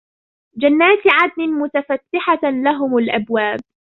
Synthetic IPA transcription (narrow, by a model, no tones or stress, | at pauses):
d͡ʒanːaːt̪ʕad̪̚nɪmʊt̪afat̪ːɪħalaɦʊmalʔabwaːb̚